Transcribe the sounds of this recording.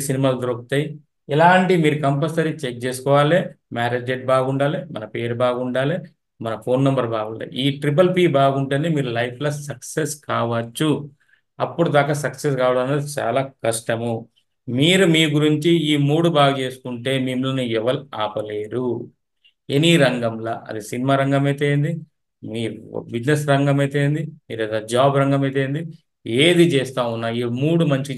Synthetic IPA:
sinimaːld̪ɾoːk̚t̪ɐji | ɛlaːɳʈimiːɾukɐmp̬ɐsɐɾit͡ʃek̚t͡ʃeːsu̥kɔːʋaːle | maːɾeːd͡ʒeʈ̚baːɡuɳɖaːlemɐ̰nɐpe̞ːɾubaːɡuɳɖaːle | mɐnɐpʰo̞ːnːɐmbɐɾbaːɡuɳɖa̰ːjḭiːʈɾip̬ɐlpiːbaːɡuɳʈɐnimiːɾulɐjpʰlɐsɐkseskaːʋɐt͡ʃːu | ɐpːuɽud̪aːkɐsɐkses̬kaːʋaːlɐnːɐd̪it͡ʃa̰ːlaːkɐʂʈɐmu | miːɾumiːɡuɾiɲt͡ʃiiːmuːɽubaːɡɐt͡ʃe̞ːsu̥kuɳʈe̞ːmimlɐnuɛʋɐɾaːpɐleːɾu | eniɾɐŋɡɐmlɐ̰ʔɐ̰d̪isinimaːɾɐŋɡɐmeːt̪eːnd̪i | miːɾbid͡ʒnesɾɐŋɡɐmeːt̪eːnd̪imiːɾɐd̪ɐd͡ʒaːbɾɐŋɡɐmeːt̪̬eːnd̪i | eːd̪it͡ʃeːst̪aːunːaːjimuːɽumɐɲt͡ʃi

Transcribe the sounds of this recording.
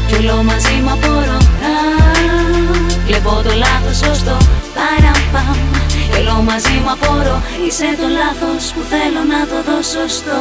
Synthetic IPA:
colo̞mɐzimɐpo̞ɾonɐ | lepo̞t̪olɐθosost̪o̞kɐɾɐpɐmelo̞mɐzimɐpoɾoiset̪o̞lɐθo̞spuθelo̞nɐt̪o̞ðo̞sost̪o

